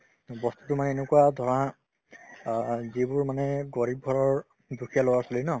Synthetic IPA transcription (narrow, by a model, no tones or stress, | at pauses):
bɔstu̥tʊmanɛenukuwadʱɔɹɔa | zibʊɹmanɛɡɔɹib̚ɡʱɔɹɔɹ | dukʰijalowasɔlinɔ